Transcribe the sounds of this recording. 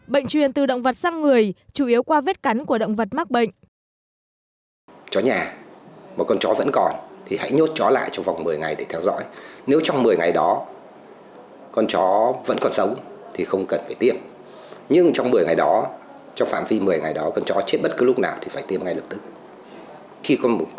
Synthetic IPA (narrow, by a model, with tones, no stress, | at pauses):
ɓə̰˧˨jŋt͡ɕwi˨˩ənt̪ɨ˨˩ɗə̰˧˨wŋ͡mvə˨˩t̚saː˧ŋːɨ˨˩əjt͡ɕu˧˩ʔi˨˦əwkwaː˧ve˦˥t̚ka˨˦jŋku˧˩əɗə̰˧˨wŋ͡mvə˨˩t̚maː˦˥k̚ɓə̰˧˨ŋ̟ | t͡ɕɔ˨˦ɲaː˨˩maː˨˩kɔ˧nt͡ɕɔ˨˦və̰˧˥nkɔ˨˩nt̪ʰi˨˩ha̰˧˥jɲo˦˥t̚t͡ɕɔ˨˦la̰ː˧˨jt͡ɕɔ˧ŋ͡mva˨˩wŋ͡mmɨ˨˩əjŋa˨˩jɗe˧˩t̪ʰɛ˧wzɔ̰˧˥jne˨˦wt͡ɕwŋ͡mmɨ˨˩əjŋa˨˩jɗɔ˨˦ | kɔ˧nt͡ɕɔ˨˦və̰˧˥nkɔ˨˩nsə˨˦wŋ͡mt̪ʰi˨˩xə˧wŋ͡mkə˨˩nfaː˧˩jt̪i˧əm | ɲɨ˧ŋt͡ɕɔ˧wŋ͡mmɨ˨˩əjŋa˨˩jɗɔ˨˦ | t͡ɕɔ˧wŋ͡mfa̰ː˧˨mvi˧mɨ˨˩əjŋa˨˩jɗɔ˨˦kɔ˧nt͡ɕɔ˨˦t͡ɕe˦˥t̚ɓə˦˥t̚kɨ˨˦lʊ˦˥k͡p̚naː˨˩wt̪ʰi˨˩faː˧˩jt̪i˧əmŋa˧jlə˨˩p̚t̪ɨ˦˥k̚ | xi˧kɔ˧nm˨˩